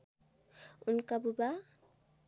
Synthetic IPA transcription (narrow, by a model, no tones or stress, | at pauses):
unkabuba